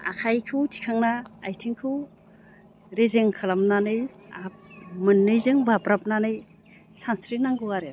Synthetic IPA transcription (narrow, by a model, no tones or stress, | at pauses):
a̰kʰajkʰɯtʰi̥kʰaŋnaajtʰiŋkʰɯw | ɾezeŋkʰɯlamnanɯjamɯnːɯjzɯŋbabɾap̚nanɯj | sansɾinaŋɡɯɡaɾe